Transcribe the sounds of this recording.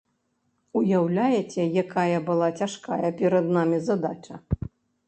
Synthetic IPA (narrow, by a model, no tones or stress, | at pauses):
ujawlʲajɛt͡sʲɛjakajɐbɨlˠat͡sʲaʂka̰jɐpʲɛɾɐd̪namʲizad̪at͡ʂɐ